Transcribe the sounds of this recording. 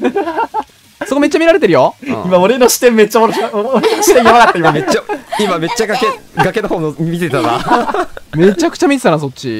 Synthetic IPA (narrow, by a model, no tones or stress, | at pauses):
sokome̞t͡ɕːamʲiɾaɾe̞t̪̬eɾɯ̟joimaoɾe̞noɕi̥t̪ẽmːe̞t͡ɕːaoɾoɾenoɕi̥t̪ẽjaβakat̪ːaimamet͡ɕːaimame̞t͡ɕːaɡake | ɡake̞nohoːnʲimʲit̪et̪ana̰ | me̞t͡ɕakɯ̟̥t͡ɕamʲit̪et̪anaso̞t̚t͡ɕːḭ